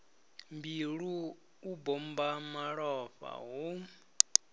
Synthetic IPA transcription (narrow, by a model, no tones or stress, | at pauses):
mbiɺuː | bɔmbamaɺɔɸa̰ɦu